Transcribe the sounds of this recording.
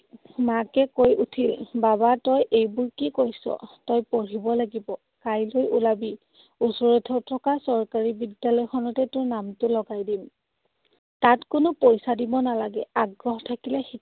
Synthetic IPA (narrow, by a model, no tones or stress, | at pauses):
makɛkojutʰilbaβatɔjʔejbʊɹkikojsɔ̰tɔjpɔɹibɔlaɡibɔ | kajlojulabi | usɔɹɛtʰɔtʰɔkasɔɹkaɹibidjalɔjxʰɔnɔtɛtʊɹnamtʊlɔɡajdim | tatkʊnopojsadibɔnalaɡɛaɡɹɔɦɔtʰakilɛxi